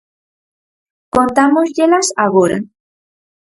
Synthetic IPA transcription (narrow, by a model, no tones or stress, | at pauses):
kont̪amosjelasaɣoɾa̰